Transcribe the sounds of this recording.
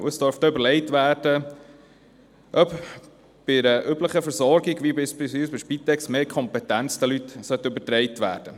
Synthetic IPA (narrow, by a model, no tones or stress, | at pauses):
uəsd̥œɾft̪øbəɾlɛɪtʋæːɾd̥ə | ʔœp | b̥ɪɾəʔybləχəfəɾzɔɾɡɪɡʋibɪsbɪsisbɪʃpit̪ːɛksmeːɾkʰɔmpɛtænt͡sd̥̪ɛlyt̪sœt̪ːəybətɾɛɪtʋæ̰ːɾd̥ə